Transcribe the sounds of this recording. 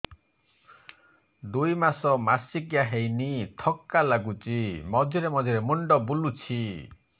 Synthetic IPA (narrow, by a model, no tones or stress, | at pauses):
d̪ujmasɔmasikjaɦejnit̪ʰɔkːalaɡut͡ʃimɔdʱiɾemɔd͡ʒ̪ʱjɔɾemuɳɖɔbulut͡ʃʰi